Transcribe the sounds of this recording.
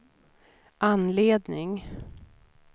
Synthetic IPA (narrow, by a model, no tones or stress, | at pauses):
ʔanleːd̪nɪŋ